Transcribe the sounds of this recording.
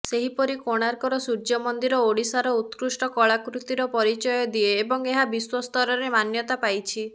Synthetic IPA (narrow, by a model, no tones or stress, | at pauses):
seɦipɔɾikoɽ̃aɾkɔɾɔsuɾd͡ʒɔmɔnd̪iɾɔoɽisaɾɔut̪kɾusʈɔkɔɭakɾut̪iɾɔpɔɾit͡ʃɔjɔd̪ieːbɔŋeɦabiswɔst̪ɔɾɔɾemanjɔt̪apajt͡ʃʰi